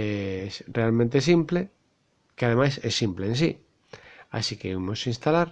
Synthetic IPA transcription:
esrealmẽnt̪esimple | keað̞emajsɛsːimpleːns̬i | a̰sikeimosĩnst̪alaɾ

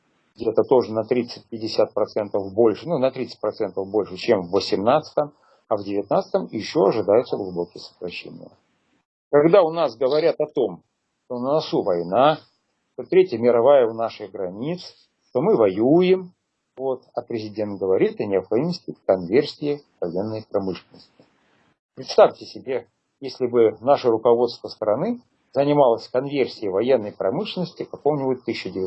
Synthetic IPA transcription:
ɡdʲet̪ət̪o̞ʐɨnɐt̪ɾʲit̪sɨt̚ʲpʲɪdʲɪsʲat̪̚pɾɐt̪sɛnt̪əvbo̞lʲʂɨnunɐt̪ɾʲit̪sɨ̥t̚ʲpɾɐt̪sɛnt̪əvbo̞lʲʂɨt͡ɕemvːəsʲɪmnat̪sə̥t̪əm | ɐvdʲɪvʲɪt̪̚nat̪sə̥t̪əmjɪɕːoɐʐɨd̪ajʊt̪səɡlˠʊbo̞kʲɪjəsə̥kɾɐɕːḛnʲɪ̰jə̰ | kɐɡd̪aʊnasɡəvɐɾʲat̪ɐt̪o̞m | ʂt̪o̞nənɐsuvɐjna | t̪ot̪ɾʲetʲjəmʲɪɾɐvajəʊnaʂɨɣɡɾɐnʲit̪s | ʂt̪omɨvɐjujɪm | vo̞t̪ɐpɾʲɪzʲɪdʲe̞nt̪̚ɡəvɐɾʲit̪ɨnʲɪɐpxɐdʲiməsʲtʲɪkɐnvʲersʲɪjɪvɐjenːəjpɾɐmɨʂlʲɪnːəsʲtʲɪ̥ | pɾʲɪt̪st̪aftʲɪsʲɪbʲe | jesʲlʲɪbɨnaʂəɾʊkɐvo̞t̪st̪vəst̪əɾɐnɨ | zənʲɪmalˠəsʲkɐnvʲersʲɪjəvɐjenːəjpɾɐmɨʂlʲɪnəsʲtʲɪkɐkomnʲɪbuʊt̚ʲt̪ːɨɕːɪdʲɪvʲɪ

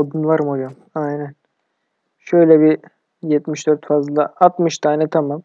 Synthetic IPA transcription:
od̪unvˠaɾmod͡ʒam | ajnæn | ʃøjlʲɛbi | jɛt̪miʃd̪øɾt̪fazlˠaat̪mɯʃt̪ʰaːnɛt̪ʰamam

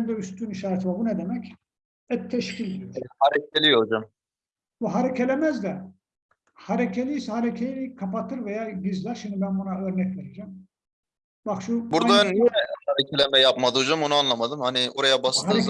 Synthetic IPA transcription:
nd̪ɛyst̪ʰyːniʃaːɾt̪ʰvabunɛd̪emɛc | ɛt̪ʰːɛʃcʰilʲd̪haɾec̚ʰelʲiod͡ʒam | buɦaɾecʰelʲemɛzd̪ɛ | haɾecʰelʲishaɾecʰellʲikʰapat̪ʰɯɾvejaːɟizlʲæɾʃimd̪ibænbunaøɾnɛcveɾed͡ʒɛm | baxʃubuɾd̪aɛhaɾecʰelʲɛmɛjapmad̪ɯod͡ʒamonuanlˠamad̪ɯmhanioɾajabashɯ

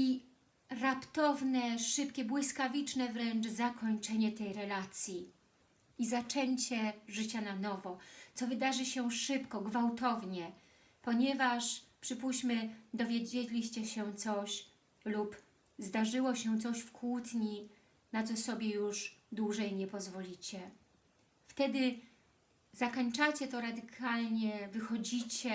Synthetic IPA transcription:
i | ɾapt̪ɔvnɛʂɘpkʲɛbwɘskavʲit͡ʂnɛvɾɛnt͡ʂzakɔɲt͡ʂɛɲɛt̪ɛjɾɛlat̪sʲji | izat͡ʂɛɲt͡ɕɛʐɘt͡ɕananɔvɔt̪sɔvɘd̪aʐɘɕɛʂɘpkɔɡvawt̪ɔvɲɛ | pɔɲɛvaʂpʂɘpuɕt͡ɕmɘd̪ɔvʲjed͡ʑelʲiɕt͡ɕɛɕɛt̪sɔɕ | lup | zd̪aʐɘwɔɕɛt̪sɔɕfkwut̪ɲi | nat̪sɔsɔbʲjɛjuʐd̪wuʐɛjmɲɛpɔzvɔlʲit͡ɕɛ | ft̪ɛd̪ɘ | zakɔɲt͡ʂat͡ɕɛt̪ɔɾad̪ɘkʰalɲɛvɘxɔd͡ʑit͡ɕɛ

